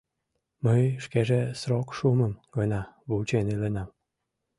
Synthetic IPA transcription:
məjʃkeʒesrokʃuməmɡ̥ɤnɑβult͡ɕenelenɑm

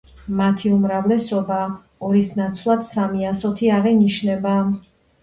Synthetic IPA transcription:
mat̪ʰiumɾavlɛsɔbaː | ɔɾisnat̪sʰvlˠat̪samiasɔt̪ʰiaʁiniʃnɛba

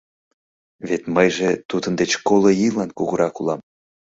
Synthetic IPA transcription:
βet̪məjʒet̪ud̪ənd̪et͡ɕkolˠojilɑnkuɣəɾɑkulɑm

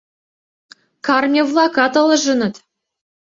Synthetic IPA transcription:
kɑrmʲevlˠɑkɑt̪ɤ̆lˠɤ̆ʒɤ̆nɤ̆t̪

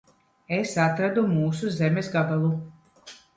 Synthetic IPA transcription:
esat̪ɾad̪umuːsuzɛmɛsɡabalˠu

